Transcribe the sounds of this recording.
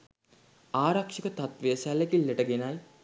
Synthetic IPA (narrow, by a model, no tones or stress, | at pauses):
aːɾakʂikət̪at̪ʋejəsælekilːeʈəɡenaj